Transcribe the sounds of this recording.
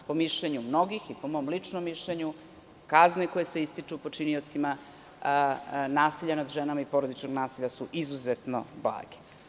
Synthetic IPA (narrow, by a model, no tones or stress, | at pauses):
po̞miʃleɲumno̞ɡixipo̞mo̞mlit͡ʂnomːiʃʎeɲu | kaznekojesʋeist̪it͡ʂupo̞t͡ʂinio̞t̪sima | naːsiʎːanad̪ʒenamaipo̞ɾod̪it͡ʃnoɡnaːsiʎʲasuʔizuzet̪no̞̰blˠa̰ːɡe̥